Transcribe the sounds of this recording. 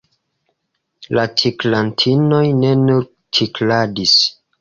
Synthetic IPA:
lat͡ʃiklantʰino̞jne̞nuɾ | t͡ʃʰikladis

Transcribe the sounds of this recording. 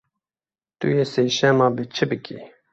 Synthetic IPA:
t̪ṵjeːseːʃɛmɑːbət͡ʃʰɨbɨkʰḭ

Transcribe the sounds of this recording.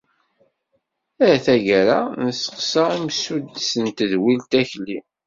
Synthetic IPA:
æθæʝæɾa̰nəsə̥qsəimsud̪sənt̪əðwilt̪æçlːi

